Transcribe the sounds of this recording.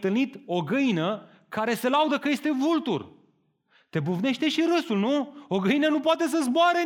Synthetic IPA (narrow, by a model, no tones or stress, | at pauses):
t̪ɨlnit̪o̞ɡɨinə | kaɾe̞se̞laud̪əkəje̞st̪e̞vult̪ṵr | t̪e̞buvne̞ʃt̪e̞ʃiɾɨsulnuo̞ɡɨinənup̬oat̪e̞s̬əzboaɾe